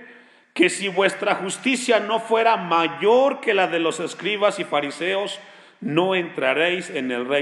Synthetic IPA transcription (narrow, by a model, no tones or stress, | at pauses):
ke̞siβwe̞st̪ɾaxust̪isjano̞fwe̞ɾamaʝo̞ɾke̞laðe̞lo̞se̞skɾiβasifaɾise̞o̞s | no̞ent̪ɾaɾejse̞ne̞lre